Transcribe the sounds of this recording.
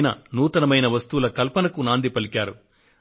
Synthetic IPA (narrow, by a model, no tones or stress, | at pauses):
nɐ̰nuːt̪ɐnɐmɐjnɐʋɐst̪uulɐkɐlpɐnɐkunaːnd̪ipɐlikaːɾu